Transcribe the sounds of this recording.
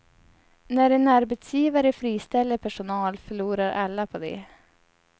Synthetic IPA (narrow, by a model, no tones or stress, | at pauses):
næɾenaɾbɛt̪sjiːvaɾəfɾiːst̪ɛlːəpʰæʂʊnɑːlfœɭuːɾaɾʔalːapʰɔd̪ɛ̰